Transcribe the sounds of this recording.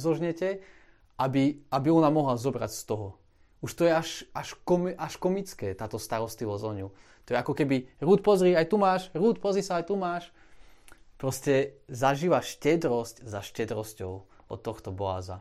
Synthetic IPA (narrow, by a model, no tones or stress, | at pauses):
zɔʒɲɛcɛ | ʔabiabiɔnamɔɦlazɔbɾa̰cst̪ɔɦɔ | uʃt̪ɔjɛaʃaʃkɔmʔaʃkɔmit͡skɛːt̪aːt̪ɔst̪aɾɔst̪liʋɔzɔɲu | t̪ɔjɛakɔkɛbiɾuːt̪̚pɔzɾiːajt̪umaːʃɾuːt̪̚pɔzɾiːsaajt̪umaːʃ | pɾɔscɛzaʒiːʋaʃcɛd̪ɾɔsczaʃcɛd̪ɾɔscɔʊ | ɔ̰t̪ːɔxt̪ɔbɔa̰ːza̰